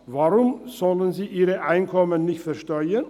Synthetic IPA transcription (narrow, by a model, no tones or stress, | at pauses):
vaʁʊmz̥ɔlənziːʔiːʁəʔaɪnkʰɔmənːɪçtfɛɐʃtɔʏən